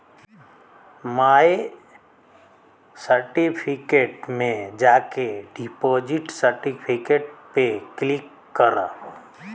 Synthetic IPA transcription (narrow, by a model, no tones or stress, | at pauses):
maːe | səɾʈipʰikeːʈmẽd͡ʒaːkeɖipoːd͡ʒiʈsəɾʈipʰikeːʈ̚peklɪkːəɾa̰ː